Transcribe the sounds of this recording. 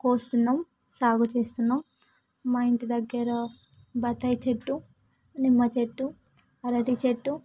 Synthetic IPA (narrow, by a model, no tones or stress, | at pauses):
koːst̪unːaːm | saːɡut͡ʃe̞ːst̪unːamː | ɐiɳʈid̪ɐɡːɐɾɐ | bɐt̪ːɐjt͡ʃeʈːu | nimːɐt͡ʃeʈːu | ɐɾɐʈit͡ʃeʈːu